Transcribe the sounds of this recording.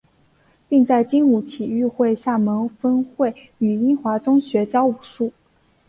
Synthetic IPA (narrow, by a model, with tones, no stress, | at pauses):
pi˥˧ŋt͡sa˥˩ɪt͡ɕi˥nu˧˩t͡ɕʰi˨˩y˥˧xwe˥˧ɪɕja˥˩mə˧˥ŋfə˥nxwe˥˩ɪ | y˨˩i˥nxwa˧˥ʈ͡ʂʊ˥ŋɕɥɛ˧˥t͡ɕjɑ˥ʊu˨˩ʂu˥˩